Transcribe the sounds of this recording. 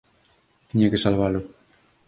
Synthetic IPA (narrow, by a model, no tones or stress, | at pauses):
t̪iɲakesalβ̞alʊ